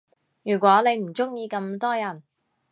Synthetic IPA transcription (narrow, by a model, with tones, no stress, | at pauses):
jyː˨˩kʷwɔː˨˥ne˨˧jm̩˨˩t͡sʊ˥ŋjiː˧kɐ˧mt̪ɔː˥jɐ˨˩n